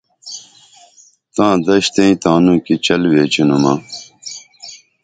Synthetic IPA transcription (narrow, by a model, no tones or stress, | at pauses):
t̪ãːd̪ɐɕt̪ẽĩt̪ãːnũːkit͡ɕɐlweːt͡ɕinumaː